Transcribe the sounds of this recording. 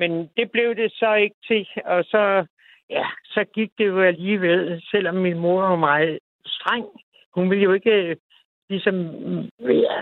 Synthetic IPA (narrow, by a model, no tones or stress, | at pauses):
mend̥e̝b̥le̝ʊd̥e̝sɒ̽e̝ɡ̥ət͡sʰe̝ɒ̽sɒ̽ | jæsɒ̽ɡ̥iɡ̥̚d̥e̝joæliːʋelsel̰ɒ̽mːinmo̝ɐʋɑ̈mɑ̈ːɪð̩ˠ | sd̥ʁɑŋ̰ | hunʋe̝ljo̝e̝ɡ̥ə | lisɒ̽mʋeɐ